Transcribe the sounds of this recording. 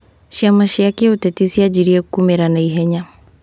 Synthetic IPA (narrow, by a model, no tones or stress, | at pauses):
ʃiamaʃiakiutɛtisiad͡ʒiɾiakumɛɾanaiɦɛɲa